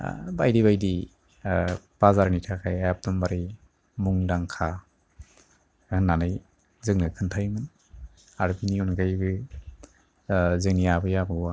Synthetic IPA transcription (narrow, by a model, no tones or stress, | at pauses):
bajdibajdi | b̥azaɾnitʰakʰajajap̚dɔmbaɾi | muŋdaŋkʰa | ɡɯnːanɯj | zɯŋnɯkʰɯntʰajmɯn | aɾbiniunɡajbɯ | zɯŋnijabɯjabɯwa